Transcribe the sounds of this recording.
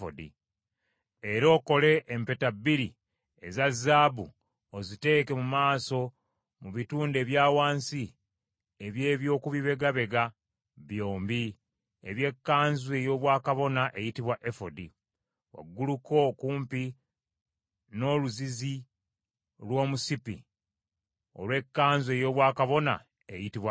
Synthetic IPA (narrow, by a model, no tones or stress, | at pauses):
fodḭ | e̞ɾo̞ːko̞le̞ʔːmpe̞tabiɾi | ezazaːbu | ozite̞ːke̞mumaːso̞ | muβituːnde̞ːβjaːwaːnsi | eβje̞ːβjo̞ːkuβiβe̞ɡaβe̞ɡa | βjo̞ːmbi | eβje̞kːaːnzue̞jo̞ːβwaːkaβo̞naʔe̞jitiβwaʔefodi | wa̰ɡːuluko̞kuːmpi | no̞ːluzizi | lwo̞ːmusipḭ | o̞̰lwe̞kːaːnzwe̞ːjo̞ːβwaːkaβo̞na̰ | e̞jitiβwa